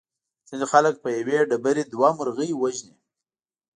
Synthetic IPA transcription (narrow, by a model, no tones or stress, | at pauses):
sɪnd̪exalək̚pəjaweɖabaɾid̪wamʊɾɣəjwaʒni